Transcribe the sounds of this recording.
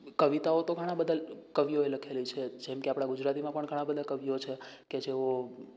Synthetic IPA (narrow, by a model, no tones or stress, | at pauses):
kəʋit̪aot̪oɡʱəɽ̃ãbəd̪əlkəʋjoeləkʰelit͡ʃʰed͡ʒemkeapɽ̃aɡud͡ʒɾat̪imãpəɳɡʱəɽ̃ãbəd̪ʱakəʋjot͡ʃʰeked͡ʒeo